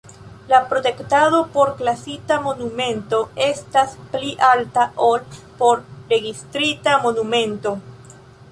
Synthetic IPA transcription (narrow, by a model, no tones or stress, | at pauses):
lapɾo̞te̞ktaðo̞po̞ɾklasitamo̞nume̞nto̞e̞staspliʔaltaʔol | po̞ɾɾe̞ɡistɾitamo̞numẽ̞nto̞